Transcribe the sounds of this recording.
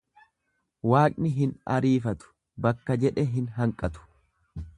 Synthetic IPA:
waːkʼnɪɦɪnɐ̰ɾiːfɐt̪ʊ̥ | bɐkːɐd͡ʒɛᶑɛɦɪnɦɐŋkʼɐt̪ʊ̥

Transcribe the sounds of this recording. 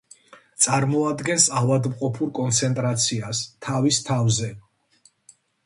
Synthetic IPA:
t̪sʼaɾmɔad̪ɡɛnsavad̪mqʼɔpʰuɾkʼɔnt̪sʰɛnt̪ʼɾat̪sʰiast̪ʰavist̪ʰavzɛ

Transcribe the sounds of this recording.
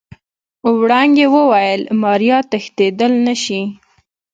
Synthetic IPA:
ʊwɽɑŋɡewəwajəlmɑɾjɑt̪əxt̪ed̪əlnaʃi

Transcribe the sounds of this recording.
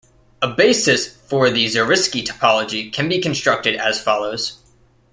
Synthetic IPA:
əbeɪsɨsfə˞ðizə˞ɪskitʰə̥pʰɑlˠəd͡ʒikʰɨ̃nbikɨ̃n̩stɹ̥ʌk̚tɨɾɨz̥fɑlˠoʊz̥

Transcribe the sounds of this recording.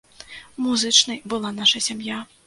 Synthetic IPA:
muzɨt͡ʂnɐjbɨlˠanaʂɐsʲamja

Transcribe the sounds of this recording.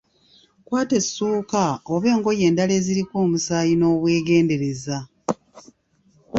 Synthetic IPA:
kwaːte̞sːuːkaoβe̞ːŋɡo̞je̞ːndale̞ːziɾikoːmusaːjino̞ːβwe̞ːɡe̞ːnde̞ɾe̞za

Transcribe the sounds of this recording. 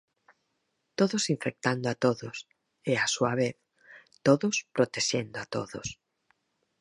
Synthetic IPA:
t̪oðʊsiɱfek̚t̪and̪oat̪oðʊs | easuaβ̞eθ | t̪oðʊspɾot̪eʃend̪oat̪o̰ðʊs

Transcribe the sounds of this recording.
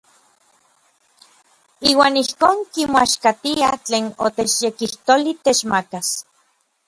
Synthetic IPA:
iːwaːnihkoːŋkimoaʃkat̪iat͡ɬeːno̰t̪et͡ʃjekiht̪olit̪et͡ʃmakas

